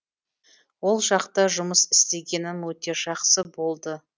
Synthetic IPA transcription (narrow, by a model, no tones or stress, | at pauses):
wo̞lˠʒɑqt̪ɑʒʊməsɪ̥st̪e̞ɡʲe̞nɪnwɵt̪e̞ʒ̥ɑqsəbo̞lˠd̪ə